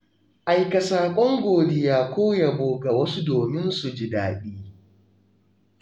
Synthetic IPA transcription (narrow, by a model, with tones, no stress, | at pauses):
ʔa˨jkɐ˨saː˨kʷʼɔ˦ŋɡʷoː˨dɪ˦jaː˦kʷoː˦ja˨boː˨˦ɡa˨wɐ˦su˦doː˨mɪ˦nsu˨d͡ʒɪ˨daː˨ɗiː˦